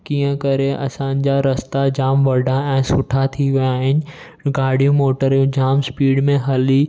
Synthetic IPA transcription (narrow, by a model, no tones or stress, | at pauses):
kiːə̃kɐɾeʔɐ̰sãnd͡ʑaɾɐst̪ad͡ʑaːmʋɐɾɖaɛ̃ːsʊʈʰat̪ʰiʋɐjaːɦɪnɪ̆ | ɡaːɽ̤ʱijũmoːʈəɾjũd͡ʑaːmspiːɽmẽɦɐli